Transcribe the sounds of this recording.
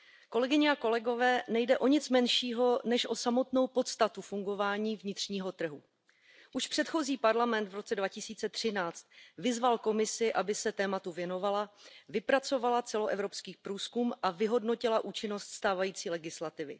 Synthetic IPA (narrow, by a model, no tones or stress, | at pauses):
ko̞lɛɡɪɲɛako̞lɛɡo̞vɛːnɛjdɛʔo̞ɲɪt͡smɛnʃiːɦo̞nɛʃʔo̞samo̞t̪no̞wpo̞t̪st̪at̪ufuŋɡo̞vaːɲiːvɲɪt̪r̝̥ɲiːɦo̞t̪r̩ɦu | ʔuʃpr̥ɛt̪xo̞ziːpaɾlamɛnt̪vɾo̞t͡sɛdvacɪsiːt͡sɛt̪r̥ɪnaːt͡st̪̚vɪzvalko̞mɪsɪʔabɪsɛt̪ɛːmat̪uvjɛno̞valavɪpɾat͡so̞valat͡sɛlo̞ʔɛvɾo̞pskiːpɾuːskumʔavɪɦo̞dno̞cɪlaʔuːt͡ʃɪno̞st̪st̪aːvajiːt͡siːlɛɡɪslat̪ɪvɪ̰